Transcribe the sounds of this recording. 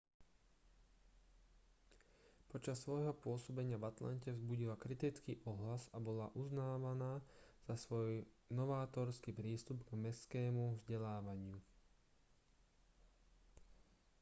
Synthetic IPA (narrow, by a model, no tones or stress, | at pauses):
pɔt͡ʃasːʋɔjɦɔpʊɔsɔbɛɲɪaʋat̪la̰ncɛvzbuɟilakɾit̪it͡skiʔɔɦlasabɔlaʔuznaːʋanaːz̥asʋɔj | nɔʋaːt̪ɔɾskipɾiːst̪ubɡmɛskɛːmuvzɟɛlaːʋaɲɪu